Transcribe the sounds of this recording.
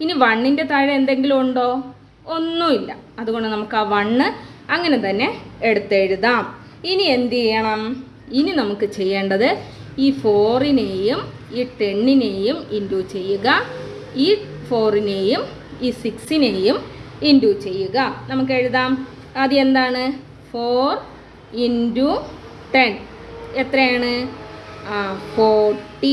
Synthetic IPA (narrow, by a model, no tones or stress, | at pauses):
iniʋɐɳːinde̞t̪ɐɻɐend̪e̞ŋɡilumuɳɖo̞ː | onːuilːɐ̰ɐðuɣo̞ɳɖɨnɐmukːaːʋɐɳːɨ | ɐŋːɐne̞t̪ɐnːe̞ːɽut̪ːeɻuðaːm | iniend̪ijːɐɳɐm | ininɐmukːɨt͡ɕe̞jːeːɳɖɐðɨiːfo̞ːrine̞ːjum | iːʈe̞ɳːine̞ːjuminduːt͡ɕe̞jːuɣɐ | iːfo̞ːrine̞ːjum | iːsiksine̞ːjuminduːt͡ɕe̞jːuɣɐnɐmuk̬ːe̞ɻuðaːm | ɐðie̞nd̪aːɳɨ | foːr | indu | ʈe̞n | et̪rɐjaːɳɨ | foːʈːi